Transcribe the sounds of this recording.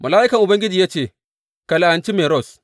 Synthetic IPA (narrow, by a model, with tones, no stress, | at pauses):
mɐ˨laː˦ʔɪ˦kɐ˨ŋʔʊ˨bɐ˦ŋɡʲɪ˦d͡ʒiː˨jaː˦t͡ʃeː˦˨ | kɐ˨la˨ʔa˨nt͡ʃi˦meː˨ɾɔ˦˨s